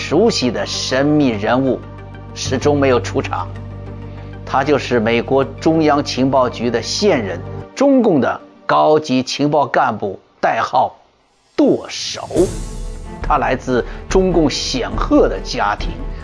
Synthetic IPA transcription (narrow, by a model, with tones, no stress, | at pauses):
ʂu˧˥ɕi˨d̪ə˦ʂə˥nmi˥˩ɻə˧˥nu˥˩ | ʂɻ̩˨˩ʈ͡ʂʊ˥ŋme˧˥ɪjo˨˩ʊʈ͡ʂʰu˧˥ʈ͡ʂʰɑ̰˧˥ŋ | t̪ʰa˥t͡ɕjo˥˧ʊʂɻ̩˥˩me˨˩ɪkwɔ˧˥ʈ͡ʂʊ˥ŋjɑ˥ŋt͡ɕʰi˧˥ŋpɑ˥˩ʊt͡ɕy˧˥d̪ə˧ɕjɛ˥˧nɻə˥˩nʈ͡ʂʊ˥ŋkʊ˥˩ŋd̪ə̰˩ | kɑ˥ʊt͡ɕi˧˥t͡ɕʰi˧˥ŋpɑ˥˧ʊka˥˧npu˥˩ | t̪a˥˧ɪxɑ˥˩ʊ | t̪wɔ˥˩ʂo̰˨˩˦ʊ | t̪ʰa˥la˧˥ɪt͡sɹ̩˥˩ʈ͡ʂʊ˥ŋkʊ˥˩ŋɕjɛ˨˩nxɤ˥˩d̪ə˩t͡ɕja˥t̪ʰḭ˧˥ŋ